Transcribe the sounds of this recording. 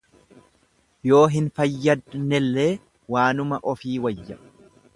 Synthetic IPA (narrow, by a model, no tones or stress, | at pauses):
jo̞ːɦɪnfɐjːɐd̪nɛlːe̞ː | waːnʊmɐʔɔfiːwɐjːɐ